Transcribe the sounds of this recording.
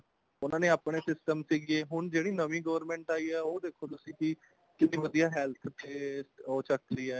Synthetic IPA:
ʊnãːneːaːpɳeːsɪsʈəmsiːɡieːɦʊɳd͡ʒeːɽiːnəʋĩːɡəːəɾmɛ̃ːɳʈaːiːɛːoːd̪eːkʰːoːt̪ʊsĩːki | kɪt̪ĩːʋəd̪ijaːɦɛːlt̪ʰt̪eːoːt͡ʃək̚ʰɾiːɛːɛ

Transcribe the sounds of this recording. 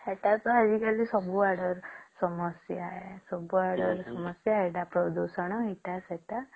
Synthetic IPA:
eʈat̪ɔad͡ʒikalisɔbuaɾɽɔɾsɔmɔsjaesɔbuaɽɔɾsɔmɔsjaɦeʈapɾɔd̪usɔɽ̃ɔɦiʈaseʈa

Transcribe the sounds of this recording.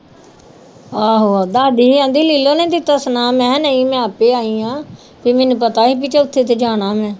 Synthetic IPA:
aːɦoːaːd̪aːd̪iːiãːnd̪iːliːlõːnẽːt̪iːt̪əsnaːmɛ̃ːnəĩːmɛ̃ːaːpeːaːiːãː | piːmɛ̃ːnũːpət̪aːiːp̬iːt͡ʃeːʊt̪ʰːeːt̪eːd͡ʒaːɽ̃ãːmɛ̃ː

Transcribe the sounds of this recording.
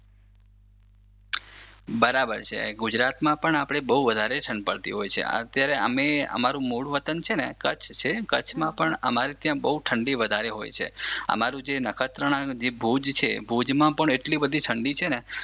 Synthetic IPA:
bəɾabəɾt͡ʃʰḛɡud͡ʒɾat̪mãpəɳapɽ̃ebəuʋəd̪ʱaɾeʈʰəɳɖpəɭt̪ḭɦojt͡ʃʰḛə̰t̪jaɾeə̰meə̰maɾũmuɽuʋət̪ənt͡ʃʰenekət͡ʃʰt͡ʃʰekət͡ʃʰmãpəɳə̰maɾit̪jãbəuʈʰəɳɖiʋəd̪ʱaɾeɦo̰jt͡ʃʰḛə̰maɾũd͡ʒenəkʰət̪ɾəɳ̃ad͡ʒebʱud͡ʒt͡ʃʰebʱud͡ʒmãpəɳeʈlibəd̪ʱiʈʰəɳɖit͡ʃʰene

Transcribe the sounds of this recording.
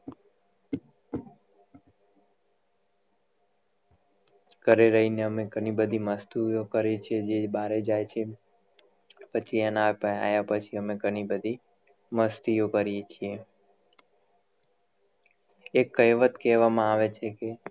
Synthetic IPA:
kəɾeɾəɦineəmeɡəɽ̃ibəd̪ʱiməst̪ujokəɾet͡ʃʰied͡ʒebaɾed͡ʒajt͡ʃʰe | pət͡ʃʰiɛnapəa̰japət͡ʃʰiəmeɡəɽ̃ibəd̪ʱi | məst̪ijokəɾijet͡ʃʰie | ekːəjʋət̪kɛʋamãaʋet͡ʃʰeke

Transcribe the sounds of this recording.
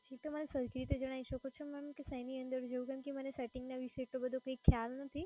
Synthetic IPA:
d͡ʒit̪omənesəɾkɾit̪ed͡ʒəɽ̃aiʃəkot͡ʃʰomɛmkesəjniənd̪əɾd͡ʒeũkəmkimənesɛʈiŋɡnaʋiʃeʈ̪obəd̪ʱokəikʰjalnət̪ʰi

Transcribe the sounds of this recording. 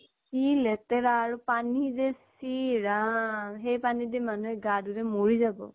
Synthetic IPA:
kilɛtɛɹaːɹupanizɛsiɹaɦejpanidimanuɛɡaduɹɛmoɹizabɔ̰

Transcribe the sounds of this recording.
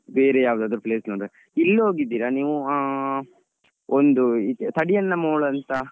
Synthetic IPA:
beːɾejaːʋud̪aːd̪ɐɾupɭeːsnoːɳɾe | ilːɐɦoːɡid̪ːiːɾɐniːʋu | ond̪ut̪ɐɽijɐnːɐmoːɭɐnt̪ɐ

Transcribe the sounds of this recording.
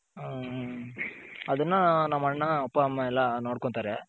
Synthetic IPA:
ɐðɯnːanɐmːɐɐɳːaɔpːamɐɛlːanoːɽkːont̪aːɾe

